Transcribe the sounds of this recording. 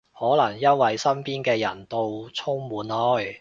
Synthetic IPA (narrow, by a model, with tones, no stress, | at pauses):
hɔː˨˥lɐ˨˩ŋjɐ˥nwɐ˨jsɐ˥npiː˥nkɛː˧jɐ̰˨˩nt̪o˧wt͡sʰʊ˥ŋmuː˨˧nhɔ˨˧˥j